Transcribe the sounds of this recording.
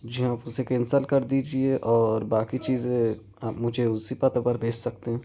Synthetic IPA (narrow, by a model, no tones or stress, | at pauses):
d͡ʒɦãaːpʊsekɛ̃nsəlkɐɾd̪iːd͡ʒieʔɔːɾbaːkit͡ʃiːzẽ | aːpmʊd͡ʒʱeʊsipɐt̪əpɐɾbʱeːt͡ʃsɐk̚t̪eɦɛ̃ː